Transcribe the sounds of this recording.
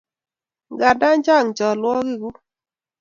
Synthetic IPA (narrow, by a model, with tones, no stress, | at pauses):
ɡa˨da˦ɲd͡ʒa˦˨ŋt͡ʃɔ˨lwɔ˦ɡɪ˦ɡu˦